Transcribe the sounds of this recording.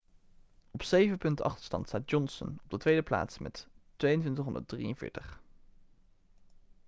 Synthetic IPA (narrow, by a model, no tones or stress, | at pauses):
ɔpsejvənpɵntɑ̰χtəɹstɑ̰ntstaːd̚jɔnsə̰nɔb̚dətʋejdəpla̰ːtsmɛ̰ttʋejəntʋɪntəχɦɔndə̰d̚drḭjənv̥ɪ̰ːɹtəχ